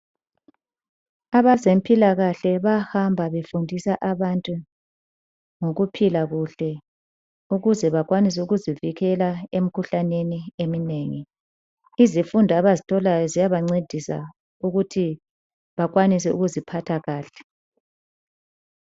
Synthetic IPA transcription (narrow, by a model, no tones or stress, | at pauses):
aβazempʼilaɣaɬɛβahambʱaβefundʱisaʔaβantʼu | ŋoɣupʰilaɣuɬɛ | uɣuzɛβak̬ʼwanis̬ɛuɣuziviɣɛlaem̩kʰuɬaneniemineŋi | izifundʱaβazitʰɔlajɔzijaβaŋ͡ǀed̥ʱisa̰ | uɣutʰi | βaɣwanis̬ɛṵɣuzipʰatʰaɣaːɬɛ̥